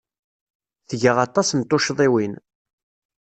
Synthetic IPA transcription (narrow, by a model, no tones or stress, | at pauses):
θəʝəʁɑt̪ˤɑsnt̪ʊʃðˤiwin